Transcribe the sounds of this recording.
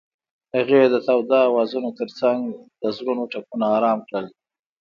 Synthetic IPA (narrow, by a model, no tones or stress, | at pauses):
haɣeed̪ət̪awd̪ɑwɑzunot̪əɾt͡saŋɡd̪̥əzɽunoʈapunaːɾɑmkɽəl